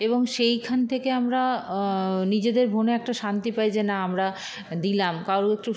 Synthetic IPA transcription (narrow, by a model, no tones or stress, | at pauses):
eboŋʃejkʰant̪ʰekeamɾa | nid͡ʑed̪eɾbʱoneɛk̚ʈaʃant̪ipajd͡ʑenaamɾa | d̪ilamkawɾoek̚ʈu